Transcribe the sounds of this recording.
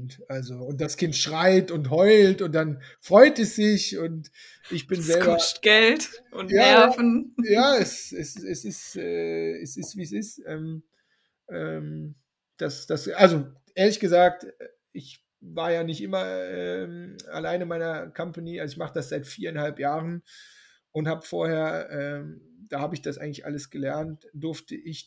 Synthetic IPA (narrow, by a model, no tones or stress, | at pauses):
ntʔalzoʊnt̚d̥askʰɪntʃʁ̥aɪtʊntɦɔʏltʊnt̚d̥an | fʁ̥ɔʏtɛsz̥ɪçʊnt | ʔɪçb̥ɪnzɛlbɐʊsɡ̥ɛltʊnjaːɛfn̩jaːɛsɛsɛsɪstʔɛːɛsɪstv̥iːsɪstʔɛːm | ʔɛːm | d̥asd̥asʔalzoʔeːɐlɪçɡ̥əzaːk̚t | ʔɪç | vaːɐjaːnɪçtʔɪmɐʔɛːma̰laɪnənmaɪnɐkʰampaniʔalzɪçmaχədasz̥aɪtfiːɐaɪnhalpjaːʁən | ʔʊnthaːbəfoːɐheːɐʔɛːmd̥aːhaːbəɪçd̥asʔa̰ɪɡŋ̩lɪçʔa̰ləsɡ̥əlɛɐntd̥ʊɐftʰəʔɪç